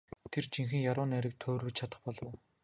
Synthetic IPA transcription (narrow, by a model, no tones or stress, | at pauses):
t̪ʰert͡ɕiŋxɘ̆ŋjaɾʊːnæɾʲɪ̆k̚t̪ʰoːrwɘ̆t͡ɕt͡ɕʰat̪ə̆χpɔɮ̆